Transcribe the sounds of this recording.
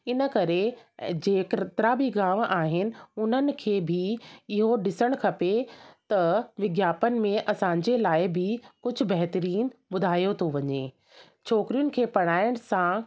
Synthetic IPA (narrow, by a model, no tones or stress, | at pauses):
ɪnə̆kɐɾed͡ʑeːkt̪ɾabʱiɡaːʋ̃ʔaːɦɪnɪ̆ʊn̤ənɪ̆kʰeːbʱɪɪɦoɖɪsəɽ̃kʰɐpet̪ɐʋɪɡjaːpənɪ̆mẽʔɐsãːɲ̆d͡ʑelaːɪɦbʱɪkʊd͡ʑʱʊ̆bɐɦt̪əɾiːnbʊd̪ʱaːjot̪ʰoʋɐɲḛː | t͡ɕʰoːkɾijʊnɪ̆kʰeːpɐɽ̃aːɪɽ̃sã